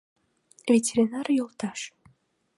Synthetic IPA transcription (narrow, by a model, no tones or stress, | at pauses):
vʲetʲeɾʲinarjolˠt̪ɑʃ